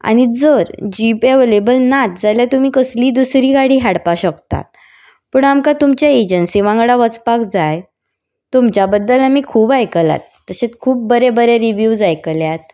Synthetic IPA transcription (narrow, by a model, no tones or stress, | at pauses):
a̰ɽ̃id͡zəɾd͡ʑipeʋelebəlnat̪̚d͡zaljat̪um̤iːkəsliːd̪usɾiːɡaɽiːɦaɽpaɕəkt̪a̰t̪̚ | pəːɳamkat̪umt͡ɕjaed͡ʑənsiʋãŋɡɽaʋət͡spakd͡zaj | t̪umt͡ɕabəd̪ːəlamiːkʰuːbajkəla̰t̪ːəɕet͡skʰuːp̚bəɾebəɾeɾiʋjuʋd͡zajkəljat̪̚